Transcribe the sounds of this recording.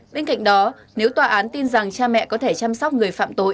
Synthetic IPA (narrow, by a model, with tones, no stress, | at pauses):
ɓe˧nka̰˧˨jŋ̟ɗɔ˨˦ | ne˨˦wt̪waː˨˩ʔaː˨˦nt̪i˧nza˨˩ŋt͡ɕaː˧mɛ̰˧˨kɔ˨˦t̪ʰe˧˩t͡ɕa˧mswk͡p̚ŋɨ˨˩əjfa̰ː˧˨mt̪o˨˧˨j